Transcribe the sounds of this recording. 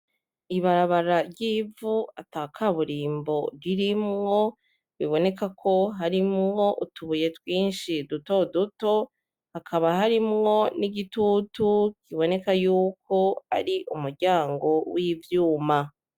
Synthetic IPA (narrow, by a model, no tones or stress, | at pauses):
iβaɾaβaɾaɾɟiːvuataːkʰaβuɾiːmbo̞ɾiɾimŋo̞ | βiβo̞ne̞kakʰo̞ɦaɾimŋo̞ʔutuβuje̞twiːnʃiduto̞duto̞ | hakʰaβahaɾimŋo̞niɡitutukiβo̞ne̞kajuːkʰo̞a̰ɾiʔumuɾɟaːŋɡo̞wivjuːma